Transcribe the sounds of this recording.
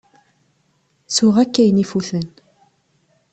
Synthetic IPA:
sʊʁækːæjnifuθən

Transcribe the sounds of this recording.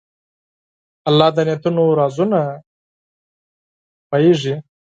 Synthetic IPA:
ɐlːɑːd̪ɐnet̪unoɾaːzuna | pajeʐi

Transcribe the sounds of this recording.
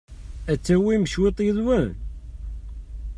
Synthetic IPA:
æt͡sːæwiməʃwet̪ˤjəðwæn

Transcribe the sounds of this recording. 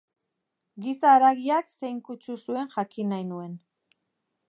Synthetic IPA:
ɡisaːɾaɣiaksejŋkut͡ʃusue̞nʝakinajnue̞n

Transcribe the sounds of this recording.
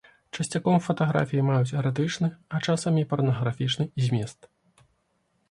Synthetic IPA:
t͡ʂɐsʲt͡sʲakɔmfɐt̪ɐɣɾa̰fʲijimajut͡sʲɛɾɛt̪̬ɨt͡ʂnɨɐt͡ʂasɐmʲipɐrnɐɣɾafʲit͡ʂnɨizʲmʲɛst̪

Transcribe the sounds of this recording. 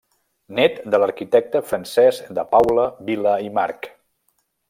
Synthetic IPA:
nɛt̪d̪ələɾkit̪ɛk̚t̪əfɾənsɛzd̪əpawləβiləimaɾk

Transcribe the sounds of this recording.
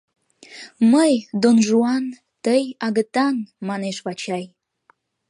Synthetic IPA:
məjd̪onʒuɑn | t̪əjɑɣət̪ɑnmɑneʃβɑt͡ɕɑj

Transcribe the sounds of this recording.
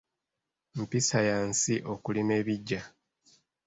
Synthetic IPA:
m̩pisajaːnsiʔo̞kulime̞ːβiɟːa

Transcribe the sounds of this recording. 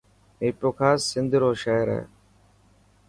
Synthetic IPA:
eːpɾoːkʰaːssɪ̃nd̪ʱɾoːʃaːɦɾɛ̰ː

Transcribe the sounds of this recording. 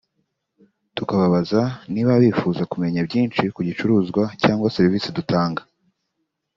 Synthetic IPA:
tukaβaβazaniβaβifuzakume̞ɲabɟiːnt͡ʃikuɟit͡ʃuɾuːzɡwacaːŋɡwaseɾiviːsidutaːŋɡa

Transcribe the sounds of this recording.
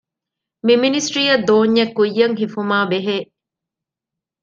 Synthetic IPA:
miminisʈɾiːɐd̪oːɲːekːujːɐŋɦifumaːbeɦeː

